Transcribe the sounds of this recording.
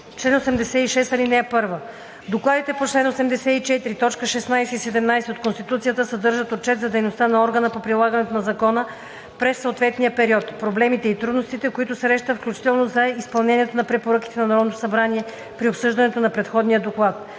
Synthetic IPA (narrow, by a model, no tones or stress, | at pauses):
t͡ʃlɛnosɛmd̪ɛsɛiʃɛst̪ɐlinɛɛpɤɾvə | d̪oklˠad̪it̪ɛpot͡ʃlɛnosɛmd̪ɛsɛit͡ʃɛt̪iɾit̪ɔt͡ʃkəʃɛsnajsɛisɛd̪ɛmnajsɛot̪konst̪it̪ut̪sijət̪əsɐd̪ɤɾʒət̪ot͡ʃɛt̪zɐd̪ɛjnost̪anɐɔɾɡənəpopɾilˠaɡənɛt̪onɐzɐkɔnə | pɾɛsːoot̪vɛt̪nijəpɛɾiɔt̪pɾoblɛmit̪ɛit̪ɾud̪nost̪it̪ɛkoit̪ʊsɾɛʃt̪əfklʲut͡ʃi̥t̪ɛlˠnozɐispɐlˠnɛniɛt̪onɐpɾɛpoɾək̟i̥t̪ɛnɐnɐɾɔvnot̪o̥sɐbɾaniɛ | pɾiopsɤʒd̪ɐnɛt̪onɐpɾɛt̪xɔd̪nijəd̪oklˠat̪̚